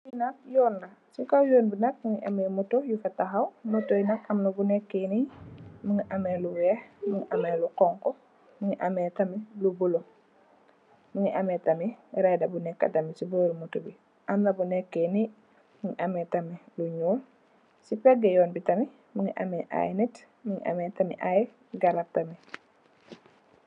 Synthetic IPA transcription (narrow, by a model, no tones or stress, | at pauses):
jinɐk̚jɔːnːɐ | sukawjoːnbinɐk̚məŋiʔɐmɛːmutojufɐtɐxɐwmutojnɐkɐmnɐbunɛkːeniməŋiʔɐmɛːluwɛhməŋiʔɐmɛluqɔŋkɔ | məŋiʔɐmɛːtɐmilubulo | məŋiʔɐmɛtɐmiɾɛdɐbunɛkːɐ̰tɐmisibəːɾumutubi | ʔɐmnɐbunɛkːeni | məŋiʔɐmɛtɐmiluɲuːl | sipɛɡːɛjɔːnbitɐmi | muŋiʔɐ̰mɛʔa̰jnit | məŋḭʔɐ̰mɛtɐmḭʔaj | ɡɐɾap̚tɐmi